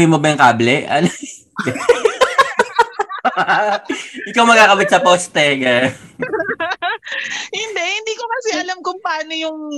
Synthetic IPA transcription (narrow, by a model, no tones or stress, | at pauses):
imobɐjʊŋkaːblɛɐ̰n | ɡɐ | ʔɪkawmɐɡ̚kaːkɐbɪt̪sɐpoːst̪ɛɡaj | hɪnd̪ɛhɪnd̪iːkomɐsɪʔɐlamkʊŋpɐaːnojʊŋ